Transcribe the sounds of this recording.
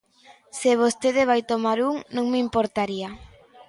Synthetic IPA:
sɪβ̞ost̪eðeβ̞ajt̪omaɾuŋnõŋmimpoɾt̪aɾia

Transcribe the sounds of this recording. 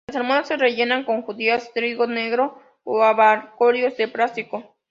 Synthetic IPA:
laseɾmaðasːe̞reʝe̞naŋko̞ŋxuðiast̪ɾiɣoneɣɾo | oaβaɾkoɾjozd̪epɾasiko

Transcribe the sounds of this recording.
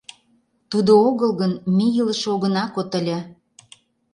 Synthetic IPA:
t̪ud̪ooɣəlɣənmijələʃoɣə̆nɑkot̪ə̆lʲæ

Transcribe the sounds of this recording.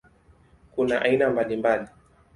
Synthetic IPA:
kunaʔainambalimbali

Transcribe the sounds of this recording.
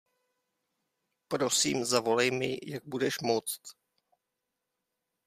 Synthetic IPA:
pɾosiːmzavo̞lɛjmɪ̰jaɡ̚budɛʃmot͡st̪

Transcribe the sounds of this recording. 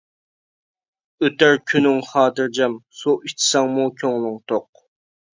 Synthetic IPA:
øt̪æɾkʲʰynɪŋχɑːt̪ɨɾd͡ʒɛmsuʔit͡ʃʰi̥sɑŋmukʲʰøŋlˠʊŋt̪ʰoq̚

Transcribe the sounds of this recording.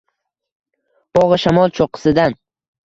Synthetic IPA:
b̥ɒʁɨʃamɒlˠt͡ʃʰoqʰɨ̥sɪd̪an

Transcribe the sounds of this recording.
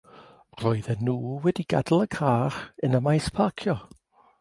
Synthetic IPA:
r̥ɔɨðɛnuːwɛdiɡa̰dl̩ˠəkʰaːrənəmajspʰakʰjɔ

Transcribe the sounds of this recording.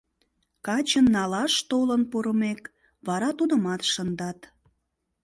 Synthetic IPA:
kɑt͡ɕənːɑlɑʃt̪olənpoɾəmek | βɑɾɑt̪ud̪ə̆mɑt̪ʃənd̪ɑt̪

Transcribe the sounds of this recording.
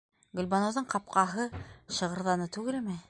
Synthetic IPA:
ɡɵ̆lʲbɑnowðɤɴqɑp̚qɑɦɤʃɤ̆ʁɤ̆ɾðɑnɤt̪ʉɡɘ̆lmɘ

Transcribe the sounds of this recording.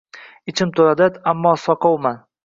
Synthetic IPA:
ɪt͡ʃʰɪmt̪ʰolad̪ad̪amːɒsɒqʰɑwman

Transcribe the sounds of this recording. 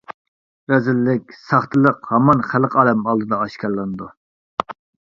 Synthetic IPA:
ɾɛzɪlːɪkʲsɑχt̪ʰɨlˠəqhɑmɑnχæləqɑːlɛmɑlˠd̪ɨd̪ɑɑʃkʲɑlˠɑnɨd̪u

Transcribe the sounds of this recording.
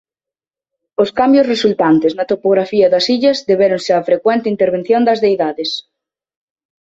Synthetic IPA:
oskambjʊsresult̪ant̪ɪznɐt̪opoɣ̞ɾafiɐðɐsiʎɐzðeβeɾʊnseafɾekwɛnt̪ɪint̪eɾβ̞en̟θjond̪ɐzðejðaðes

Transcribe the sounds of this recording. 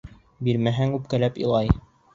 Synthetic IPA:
biɾmæɦæŋʉp̚kælæpḭlˠɑj

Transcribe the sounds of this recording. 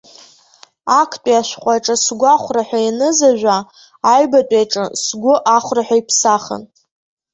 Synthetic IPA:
akʰtʼiaʃʷᶣχʷʼaʈ͡ʂʼɨsɡʷaχʷraħʷᶣainɨzaʒᶣʷaː | jbatʼejʈ͡ʂʼɨsɡʷʊʔaχʷraħʷᶣaipʰsaχə̰n

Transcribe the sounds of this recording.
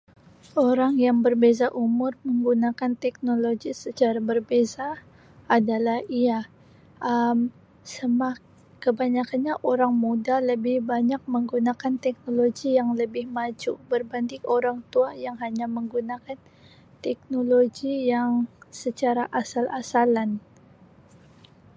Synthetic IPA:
oɾaŋjaŋbərbezaʔumʊrməŋɡunakant̪ɛk̚noloɡisət͡ʃaɾabərbezaː | dalahia | ʔəm | səmah | kəbaɲakanɲaʔoɾaŋmudaləbɪhbaɲak̚məŋɡunakant̪ɛk̚noloɡijaŋləbɪhmat͡ʃubərbandɪkoɾaŋt̪uajaŋɦaɲaməŋɡunakan | t̪ɛk̚noloɡijaŋsət͡ʃaɾaʔasalʔasalan

